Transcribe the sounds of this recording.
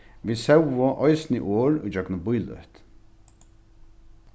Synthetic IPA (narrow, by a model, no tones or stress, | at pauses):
ʋiːsɛwɔʔɔjsnḭʔoːɹṵjd͡ʒœɡnʊbʊjlœ̰ht̪